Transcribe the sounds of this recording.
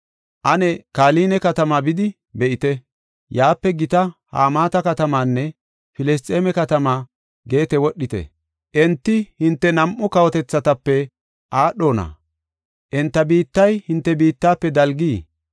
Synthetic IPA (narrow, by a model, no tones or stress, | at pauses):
ʔɐnɛkaːliːnɛkɐt̪ɐmaːbɪd̪ɪ | bɛʔɪt̪ɛ | jaːpːɛɡɪt̪ɐha̰ːmaːt̪ɐkɐt̪ɐmaːnːɛ | fɪlɛs̬t̪ʼːeːmɛkɐt̪ɐmaː | ɡe̞ːt̪ɛwɔɗːɪt̪ɛ̰ | ʔɛnt̪ːɪhɪnt̪ːɛnɐmʔːʊkɐwɔt̪ɛt͡sːɐt̪ɐpːɛ | ʔaːɗo̞ːnɐ̰ | ʔɛnt̪ːɐbiːt̪ːɐjhɪnt̪ːɛbiːt̪ːaːpːɛd̪ɐlɡiː